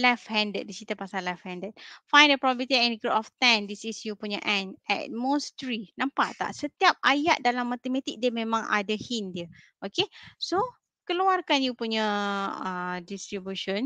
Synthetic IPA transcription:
lɛfhɛ̃ndət̚disit̪apasalafhɛ̃ndət̪̚fãjndəpɾɔbabit̪iɛ̃nɡɾuʔɔft̪ɛ̃ndisisjupuɲəʔɛ̃nɛ̰t̚mostɾinãmpaʔt̪a̰ʔsət̪iap̚ajaʔ̪̚dalamːat̪emãt̪ik̚dəmẽmãŋʔa̰dəhindiə | ʔokeso | kəluarkanjupuɲəədist̪ɾibjuʃə̃n

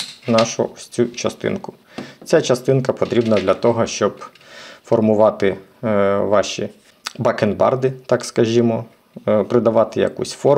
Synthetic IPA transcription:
nɑʃʊ̰sʲt͡sʲut͡ʃɐst̪ɪ̰nkʊ̥ | t͡sʲat͡ʃɐst̪ɪnkɐpɔt̪ɾʲibnɐd̪lʲɐt̪ɔɦɔʃt͡ʃɔb | fɔrmʊʋɑt̪ɪ | ʋɑʃi | bɐkenbɑ̰rd̪ɪt̪ɑkskɐʒʲimɔ | pɾɪd̪ɐʋɑt̪ɪjɐ̰kṵsʲfɔr

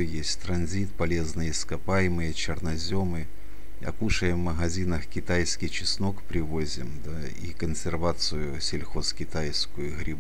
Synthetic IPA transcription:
jesʲtʲt̪ɾɐnzʲit̪pɐlʲe̞znɨjɪskɐpajɪmɨjət͡ɕɪrnɐzʲo̞mɨ | ɐ̰kuʂəjɪmmːəɣɐzʲinɐxkʲɪt̪ajskʲɪt͡ɕɪsno̞kpɾʲɪvozʲɪ̰md̪a | ḭkənsʲɪrvat̪sɨjʊsʲɪlʲxo̞skʲɪt̪ajskʊjʊɣɾʲɪb

